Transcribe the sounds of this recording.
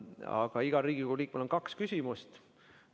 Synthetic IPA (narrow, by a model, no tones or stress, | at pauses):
ɑ̰ɡ̥ɑiɡ̥ɑɾiːɡ̥ikuuliːkmelonkɑkskysʲimust̪